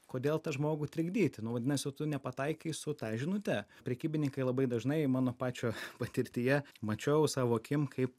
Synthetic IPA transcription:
koːd̪ʲeːlˠt̪ɐʒmoːɡʊt̪ʲɾʲɪɡd̪ʲiːt̪ʲnʊʋɐd̪ʲɪnɐsʲɪt̪ʊnʲɛpɐt̪ɐɪkʲɐɪsʊt̪ɑʒʲɪnʊt̪ʲɛpʲɾʲɛkʲiːbʲɪnʲɪŋkɐɪlˠɐbɐɪd̪ɐʒnɐɪmɑːnoːpɑːt͡ʃʲoːpɐt̪ʲɪɾʲt̪ʲɪjɛmɐt͡ʃʲɛʊsɑːʋoːɐkʲɪmkʰɐɪp

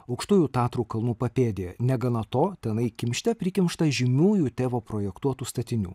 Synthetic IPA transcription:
ɐʊkʃt̪uːjʲuːt̪ɑːt̪ɾuːkɐlˠnuːpɐpʲeːd̪ʲenʲɛɡɐnɐt̪oːt̪ʲɛnɐɪkʲɪmʲʃʲt̪ʲɛpʲɾʲɪkʲɪmʃt̪ɐʒʲɪmʲuːjuːt̪ʲeːʋoːpɾoːjɛkt̪uɔt̪uːst̪ɐt̪ʲɪnʲṵː

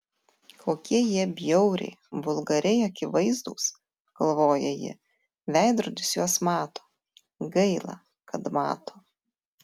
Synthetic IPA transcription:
kʰoːkʲiɛjiɛbʲjɛʊɾʲɛ̰ɪbʊlˠɡɐɾʲɛɪɐkʲɪʋɐɪzd̪ṵːs | ɡ̥ɐlˠʋoːjɛjɪ̰ | ʋʲæˑɪd̪ɾʊd̪ʲɪsjuɔsmɑːt̪o̥ː | ɡɐɪlˠɑ̰ | kɐt̪mɑ̰ːt̪oː

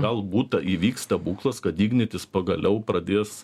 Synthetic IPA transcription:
ɡɐlˠbuːt̪ɐʔiːʋʲiːkst̪ɐbuːklˠɐskɐt̪d̪ʲiːɡnʲɪt̪ʲɪspɐɡɐlʲɛʊprɐd̪ʲeːs

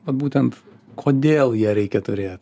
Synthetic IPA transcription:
ʋɐt̪buːt̪ʲɛnt̪ | kʰoːd̪ʲeːlˠjiɛɾʲɛɪkʲɛt̪ʊɾʲeːt̪ʲ

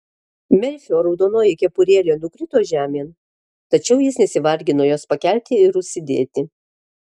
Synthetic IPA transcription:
mʲɛlʲfʲoːɾɒʊd̪oːnoːjɪkʲɛpʊɾʲeːlʲoːnʊkɾʲɪt̪oːʒʲæːmʲeːn | t̪ɐt͡ʃʲɛʊjɪsnʲɛsʲɪʋɐɾʲɡʲɪnoːjoːspɐkʲælʲt̪ʲɪɪɾʊʃʲsʲɪd̪ʲḛːt̪ʲɪ

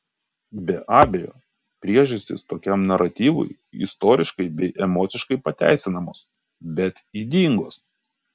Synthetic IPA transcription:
bʲɛʔɑːbʲejo̰ː | pʲɾʲiɛʒʊsʲt̪ʲɪ̰st̪oːkʲɛmnɐɾɐt̪ʲiːʋʊ̰ɪ | ɪ̰st̪oːɾʲɪʃkɐɪbʲɛɪʔɛmɔːt̪sʲɪʃkɐɪpɐt̪ʲæ̰ˑɪsʲɪnɐmoːs | bʲɛt̪iːd̪ʲiːŋɡoːs

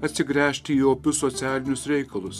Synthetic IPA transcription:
ɐt̪ʲsʲɪɡɾʲæːʃʲt̪ʲɪiːoːpʲʊsoːt̪sʲæːlʲɪnʲʊsɾʲɛɪkɐlˠʊs

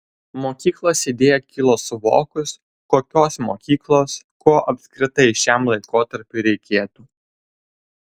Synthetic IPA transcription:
moːkʲiːklˠoːsɪd̪ʲeːjɛkʲɪlˠoːsʊʋo̰ːkʊs | koːkʲoːsmoːkʲiːklˠoːs | koːʔɐpʲsʲkɾʲɪt̪ɐɪʃʲæˑmlˠɐɪkoːt̪ɐɾʲpʲuɾʲɛɪkʲeːt̪uː

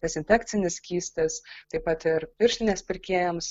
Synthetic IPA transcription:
ɛsʲɪnʲfʲɛk̪sʲɪnʲɪskʲiːsʲt̪ʲɐst̪ɐɪpɐt̪ɪɾpʲɪɾʲʃʲlʲɪnʲeːspʲɪɾʲkʲeːjɛms

